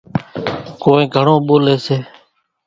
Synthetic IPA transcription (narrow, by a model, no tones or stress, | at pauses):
koːẽːɡʱəɳõːɓoːleːseː